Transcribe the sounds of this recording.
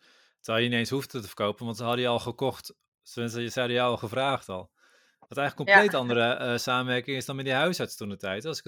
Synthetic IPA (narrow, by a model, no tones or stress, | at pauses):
tɛlˠjəniejnshuftətəfərkowpənʋɑntsəɦɑdəjəɔlˠχəkɔxt | səʋɪnsəsɛɑdəjəɔlˠxəvraːxtɔlˠ | ʋɑtɛjŋləkːomplejtɑndərəsaːmənʋɛrkɪŋɪsdɔnmɛndiɦœɥshɑtstunətɛjtɑsɪk